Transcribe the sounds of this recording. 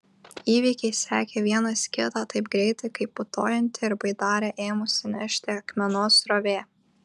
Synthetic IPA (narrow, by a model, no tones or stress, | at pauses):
iːʋʲiːkʲɛɪsʲæ̰ːkʲeːʋʲiɛnɐsʲkʲɪt̪ɑːt̪ɐɪpɡɾʲɛɪt̪ɐɪkɐɪpːʊt̪oːjɛnʲt̪ʲɪɪɾbɐɪd̪ɑːɾʲeʔeːmʊsʲɪnʲɛʃʲt̪ʲɪɐkmʲɛnoːsɾoʋʲeː